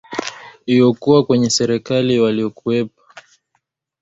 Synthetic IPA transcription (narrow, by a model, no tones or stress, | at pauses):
iɔkuwakwɛɲɛsɛɾɛkaliwaliɔkuɛp̚ḁ